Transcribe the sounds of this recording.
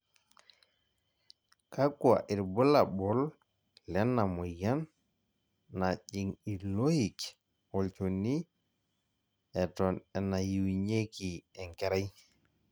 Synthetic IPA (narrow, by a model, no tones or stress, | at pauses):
kakua̰ʔiɾbɔlaɓɔl | lɛnːamɔjanː | aʄiŋilohik | wɔlt͡ʃoni | ɛtɔnɛnajiwiɲekiɛŋkɛɾaj